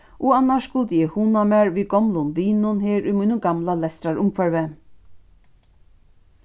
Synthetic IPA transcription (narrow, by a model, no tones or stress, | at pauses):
ʔɔanːaʃskʊlt̪əjɛhunamæːɹʋiːɡɔmlʊnʋiːnʊnheːɾʊmijnʊɡamlalɛst̪ɾaɹʊmkfœɹʋɛ